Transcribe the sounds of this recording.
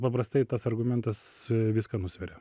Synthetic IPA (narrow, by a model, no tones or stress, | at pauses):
pɐpɾɐst̪ɐɪt̪ɐsɐrɡʊmʲɛnt̪ɐsʋʲɪskɐnʊsʲʋʲɛɾʲɛ